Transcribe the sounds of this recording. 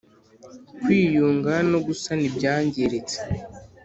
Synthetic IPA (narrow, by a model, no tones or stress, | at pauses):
kwiːjuːŋɡano̞ɡusanibɟaːɲɟeɾet͡se̥